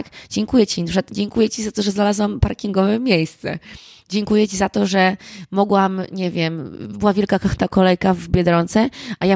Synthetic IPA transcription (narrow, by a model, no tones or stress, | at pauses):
kd͡ʑɛŋkujɛt͡ɕinpʂat̪d͡ʑɛŋkujɛt͡ɕizat̪ɔʐɛznalazwampaɾkʲiŋɡɔvɛmʲjejst̪sɛ̰ | d͡ʑɛŋkujɛt͡ɕizat̪ɔʐɛmɔɡwamɲɛvʲjɛmbɘwavʲjɛlkakaxt̪akɔlɛjkavbʲjɛd̪ɾɔnt̪sɛʔaja